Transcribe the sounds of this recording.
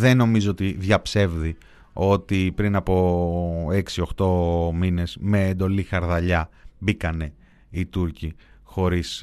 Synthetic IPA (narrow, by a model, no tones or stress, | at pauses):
ðe̞no̞mizoot̪iðʝɐpse̞vði | o̞t̪ipɾinɐpo̞ | e̞ksio̞xt̪o̞mine̞zme̞ːnd̪o̞lixɐɾðɐʎɐbikɐne̞ | it̪uɾci | xo̞ɾis